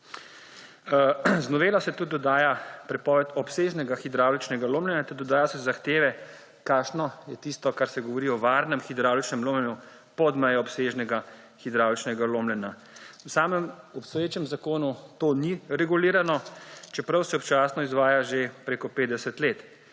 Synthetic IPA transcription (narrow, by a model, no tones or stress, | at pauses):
znɔʋeːlasɛt̪ud̪̚d̪ɔd̪aːjapɾɛpɔːʋɛt̪ɔpseːʒnɛɡaxid̪ɾaːwlit͡ʃnɛɡaloːmlɛnat̪ɛɾd̪ɔd̪aːjɔsɛzaxt̪eːʋɛ | kaːʃnɔjɛt̪ist̪ɔkaɾsɛɡɔʋɔɾiɔʋaːɾnɛmxid̪ɾawlt͡ʃnɛmloːmlɛnju | pɔd̪mɛjɔɔpseːʒnɛɡa | xid̪ɾawlt͡ʃnɛɡaloːmlɛna | wsaːmɛm | ɔpst̪ɔjeːt͡ʃɛmzakoːnut̪oːniɾɛɡuliːɾanɔt͡ʃɛpɾɐwsɛɔpt͡ʃaːsnɔizʋaːjaʒepɾeːkɔpeːd̪d̪ɛsɛt̪leːt̪